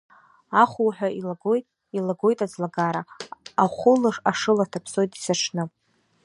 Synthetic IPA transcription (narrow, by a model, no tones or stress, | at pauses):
aχʷuwħʷᶣaʔilaɡojtʼ | ilaɡo̞jtʼad͡zlaɡaɾaaχʷʊlɨʂaʂɨlatʰapʰso̞jtʼi̥saʈ͡ʂʰnɨ